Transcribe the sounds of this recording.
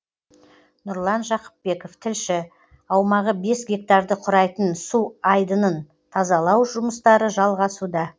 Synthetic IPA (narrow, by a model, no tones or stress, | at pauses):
nʊɾlˠɑnʒɑqə̥p̚be̞ko̞ft̪ʰɪlʃɪ | ɑwmɑʁəbe̞sɡʲe̞k̚t̪ɑɾd̪əqʰʊɾɑjt̪ənsuɑjd̪ənən | t̪ʰɑzɑlˠɑwʒʊməst̪ɑɾəʒɑlˠʁɑsud̪ɑ